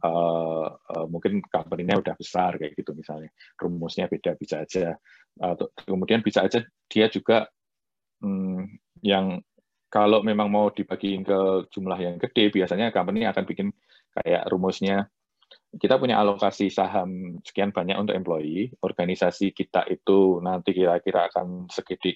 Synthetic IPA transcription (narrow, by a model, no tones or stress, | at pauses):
ʔə | əmuŋkɪnkampəniɲaud̥ahb̥əsarkaj̰ɡ̥it̪umisalɲarumʊsɲab̥ed̥ab̥isḁːd͡ʒ̥a | t̪kəmud̥ianbisaːd͡ʒa | d̥iad͡ʒuɡ̥aʔ | m̩ | jaŋ | kalomemaŋmawd̥ib̥aɡ̥iŋkə̥d͡ʒ̥umlahjaŋkəd̥eb̥iasaɲakampəniniakanb̥ikɪn | ka̰ja̰ʔrumʊsɲa | kit̪apuɲa̰ʔalokasisaɦamsə̥kianb̥aɲakʔunt̪ʊkɛmploiɔrɡanisasikit̪a̰ʔit̪unant̪ikiɾakiɾa̰ːkansəɡəd̥ɪʔ